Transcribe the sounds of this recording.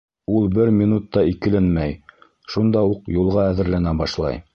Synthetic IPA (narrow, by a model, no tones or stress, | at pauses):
ulˠbɘɾmʲinut̪ːɑikɘ̆lɘnmæj | ʃund̪ɑuqjulˠʁɑæðɘ̆ɾlænæbɑʃlˠɑ̰j